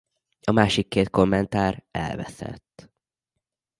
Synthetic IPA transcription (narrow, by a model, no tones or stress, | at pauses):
ɒmaːʃikːeːt̪̚ko̞mːɛnt̪aːɾɛlvɛ̰sɛ̰t̪ː